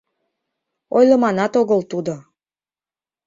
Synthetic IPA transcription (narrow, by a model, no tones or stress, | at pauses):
ojlə̆mɑnɑt̪oɣəlt̪ud̪o